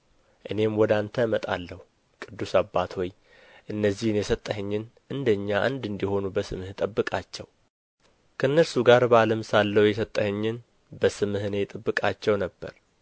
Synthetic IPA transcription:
ʔɨne̞mwɔd̪ant̪ʰəmət̪ʼa̰lːəhu | kʼɨd̪ːusabːat̪ʰhoj | ʔɨnːəzːihnjɛsət̪ʼːəhəɲːɪnʔɨnd̪əɲːaʔa̰nd̪ɨnd̪iho̞nubəsɨmht̪ʼəbːɨkʼat͡ʃːɛw | kʰənːəsuɡaɾbaləmsalːəwjɛsət̪ʼːəhəɲːɪn | bəsɨmɨhɨnet̪ʼɨbːɨkʼat͡ʃːɛwnəbːə̰ɾ

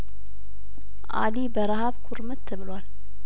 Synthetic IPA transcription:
ʔa̰libəɾaɦaβkʰuɾmət̪ʰːɨβɨlwal

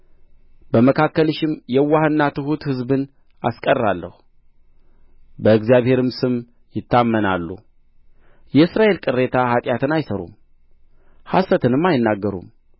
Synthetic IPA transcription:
bəməkʰakːəlʃɪmjɛwahɨnːat̪ʰɨhut̪hɨzbɨn | a̰skʼərːalːə̰hu | bəɨɡzijaβhe̞ɾɨmsɨm | jɪt̪ːamːəna̰lːṵ | jɛɨsɾaʔe̞lkʼɨrːe̞t̪ʰahat̪ʼjat̪ʰɨnajsəɾṵm | hasət̪ʰɨnɨmːajɪnːaɡːəɾṵm

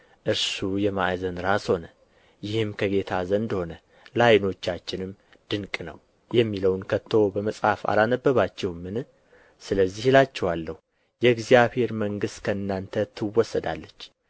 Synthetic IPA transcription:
ʔɨɾsujɛma̰jzənɾasho̞nə | jɪhɨmkʰəɡe̞t̪ʰazənd̪ho̞nə | lajno̞t͡ʃːat͡ʃːɪnɨm | d̪̥ɨŋkʼnə̰w | jɛmːiləwnkʰət̪ʰːo̞bəməsʼhafa̰lanəbːəβat͡ʃːɛhmːɨnɨ | sɨləzːihlat͡ʃːɛwalːəhu | jɛɨɡzijaβhe̞ɾməŋɡɨst̪kʰəɨnːant̪ʰət̪ʰːɨwːɔsːəd̪a̰lːət͡ʃː

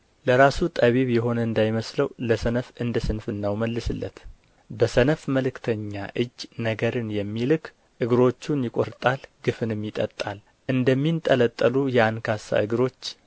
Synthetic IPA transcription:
ləɾasut̪ʼəβiβjɛɦo̞nəɨnd̪ajməsləwləsənəfɨnd̪əsɨnfɨnːawməlːɨsɨlːə̰t̪ | bəsənəfməlɨkt̪ʰəɲːaʔɨd͡ʒːnəɡəɾɨnjɛmːilɨkʰ | ʔɨɡɨɾo̞t͡ʃːunjɪkʼoɾt̪ʼalɡɨfɨnɨmːjɪt̪ʼət̪ʼːal | ʔɨnd̪əmːint̪ʼələt̪ʼːəlujɛankʰasa̰ʔɨɡɾo̞t͡ʃː

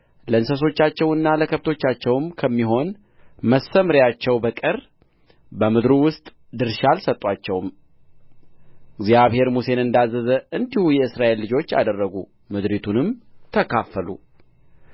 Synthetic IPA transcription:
ləɨnsəs̬o̞t͡ʃːat͡ʃːɛwɨnːaləkʰəβt̪ʰo̞t͡ʃːat͡ʃːɛwmkʰəmːiɦo̞n | məsəmɾjat͡ʃːɛwbəkʼɨr | bəmɨd̪ɾuwʊst̪ʼ | d̪ɨɾʃalsət̪ʼːwat͡ʃːɛwm | ɨɡzjaβhe̞ɾmuse̞nɨnd̪azːəzəʔɨnd̪ihujɛɨsɾaʔe̞lːɨd͡ʒo̞t͡ʃːa̰d̪ərːəɡu | mɨd̪ɾit̪ʰunɨmt̪ʰəkʰafːəlṵ

